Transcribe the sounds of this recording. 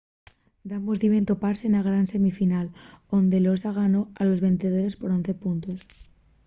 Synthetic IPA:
d̪ambozðiβe̞nt̪o̞paɾsenaɣɾanse̞mifinalo̞nd̪e̞losaɣ̞ano̞alo̞zβe̞nθeð̞oɾe̞spo̞ɾo̞n̟θe̞punt̪o̞s

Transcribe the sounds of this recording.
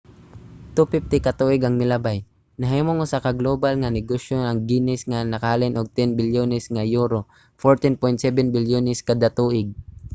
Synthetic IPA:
t̪upɪft̪ɪkɐt̪uːʔɪɡɐŋmɪlabaj | nɐɦimoŋʊsakɐɡloːbalŋanɪɡoʃjonɐŋɡiːnɪsŋanɐkaːlɪnʔoɡ̚t̪ɛnbɪljonɛsŋajuːɾo | foɹt̪ɪnpojnt̪sɛbɛnbɪljonɛskɐd̪at̪uːʔɪɡ̚

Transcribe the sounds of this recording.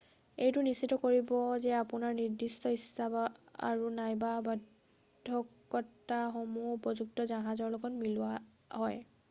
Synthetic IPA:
ejtʊnisːitɔkoɹibɔzɛapʊnaɹniɹdistɔisaba̰ɹunajbaba | dʱːɔkː | ɔtːaxomupɹɔzuk̚tɔzaɦãzɔɹlɔɡɔtmilʊa | ɦɔj

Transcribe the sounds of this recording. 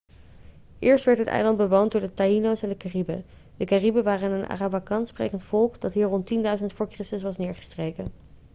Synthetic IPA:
ʔɪːɹstʋɛɹtɦətɛ̰jlɑnd̚bəʋowndʊːɹdətainowsɛndəkaribə̰ | dəkaribəʋaːrənənʔa̰rabakɑnsprḛjkəntfɔlˠkd̥ɑtɦiːɹrɔntindœɥzəntfʊːɹkrɪstəsʋɑsnɪːɹχə̥strejkən

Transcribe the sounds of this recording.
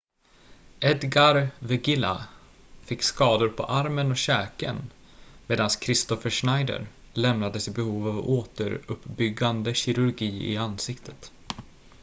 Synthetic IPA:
ʔɛd̪ɡaɾvɛɡɪla̰ | fɪkːskɑːd̪ʊɾpʰɔ̰ʔaɾmənɔɕɛːkə̰n | meːd̪anskʰɾɪst̪ɔfəʂnajd̪ə̰ɾ | lɛmnad̪əsɪbɛhuːvavoːt̪əɾɵpːbʏɡːand̪əɕɪɾɵɾɡiːɪ̰ansɪkt̪ʰət̪

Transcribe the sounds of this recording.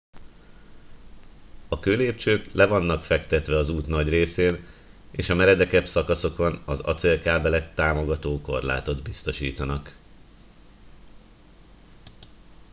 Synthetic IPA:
ɒkøːleːpt͡ʃøːklɛvɒnːɒkfɛkt̪ɛt̪ʋɛɒzuːt̪nɒɟreːseːneːʃɒmɛɾɛd̪ɛkɛbsɒkɒso̞konɒzɒ̰t̪seːlkaːbɛlɛkt̪aːmo̞ɡɒt̪oːko̞rla̰ːt̪o̞d̪bist̪o̞ʃḭːt̪ɒnɒk

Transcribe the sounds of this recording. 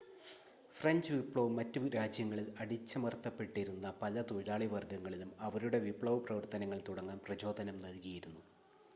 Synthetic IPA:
frɐɲd͡ʑɨʋipɭɐʋmɐtːuɾaːd͡ʑjɐŋːɐɭilɐɽit͡ɕːɐmɐrt̪ːɐpːe̞ʈːiɾunːɐpɐlɐt̪ulaːɭiʋɐrɡɐŋːɐɭilumɐʋɐɾuɽe̞ʋipɭɐʋprɐʋɐrt̪ɐnɐŋːɐɭt̪uɽɐŋːaːmprɐt͡ɕo̞ːd̪ʱɐnɐmnɐlkɐjiɾunːu

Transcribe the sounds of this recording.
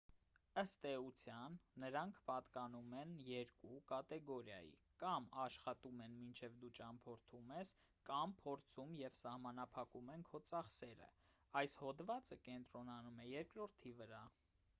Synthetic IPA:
əst̪ɛut͡sʰjɑnːəɾɑŋkʰpɑt̪kɑnumɛnjɛɾkukɑt̪ɛɡɔɾjɑ̰jḭ | kɑmɑʃχɑt̪umɛnmint͡ʃʰɛvd̪ut͡ʃɑmpʰɔɾt̪ʰumɛskɑmpʰɔɾt͡sʰumjɛvsɑhmɑnɑpʰɑkumɛnkʰɔt͡sɑχsɛɾə̰ | ɑjshɔd̪vɑt͡səkɛnt̪ɾɔnɑnumɛjɛɾkɾɔɾt̪ʰivəɾɑ

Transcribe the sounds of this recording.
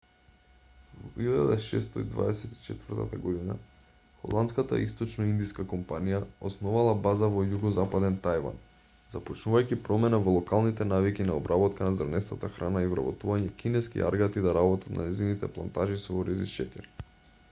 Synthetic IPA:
vɔilad̪aʃɛ̰st̪ɔid̪va̰ɛsɛt̪i̥t͡ʃɛt̪vərɾt̪a̰t̪aɡɔd̪ina | xɔ̰lˠant̪skat̪a̰ist̪ɔt͡ʃnɔind̪iskakɔmpanijaɔsnɔvalˠabazavɔjuɡɔzapad̪ɛnt̪ajva̰n | zapɔt͡ʃnuvajkʲipɾɔmɛnavɔlˠɔkalˠnit̪ɛnavikinaɔbɾabɔt̪kanazaɾnɛsnat̪axɾanaivɾa̰bɔt̪uvaɲɛkʲinɛskḭʔa̰ɾɡat̪id̪aɾabɔt̪at̪na̰nɛzinit̪ɛplˠant̪aʒisɔɔɾiziʃɛkʲɛɾ

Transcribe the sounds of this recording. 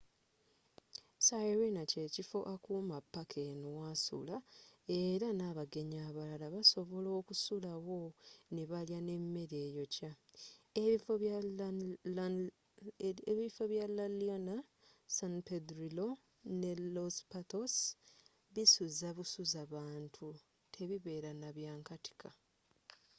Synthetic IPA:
sajɾinace̞ːcifo̞ʔakumapːakʰenuwasṵlae̞ɾanaβaɡe̞ɲaːβalalaβaso̞βo̞lo̞ːkusulawo̞neβaljane̞mːe̞ɾe̞ːjo̞ca | βifo | βifoβjalːaliana | saŋpedɾilo̞ | ne̞lospatos | βisuzaβusuzaβaːntʰu | tʰe̞βiβe̞ːɾanaβjaːŋkati̥kʰa

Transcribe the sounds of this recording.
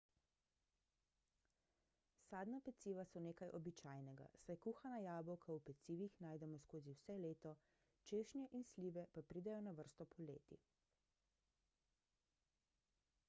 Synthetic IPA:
saːd̪napɛt̪siːʋasɔneːkajʔɔbit͡ʃaːjnɛɡa̰sajkuːxanajaːbɔwkʰaupɛt̪siːʋixnaːjd̪ɛmɔskoːziwsɛleːt̪ɔ | t͡ʃeːʃnjɛʔinsliːʋɛpapɾiːd̪ɛjɔnaʋəɾst̪ɔpʰɔlḛːt̪ḭ

